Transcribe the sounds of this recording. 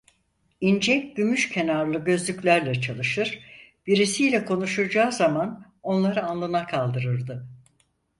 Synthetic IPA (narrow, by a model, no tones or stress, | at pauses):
ind͡ʒɛcɟymyʃcʰe̞naɾlˠɯɟø̞zlʲyclʲæɾlʲɛt͡ʃʰalˠɯʃɯɾ̥b̥iɾisijlʲɛkʰo̞nuʃuɾd͡ʒaːzaman | o̞nlˠaɾɯanlˠɯnakʰalˠd̪ɯɾɯɾd̪ɯ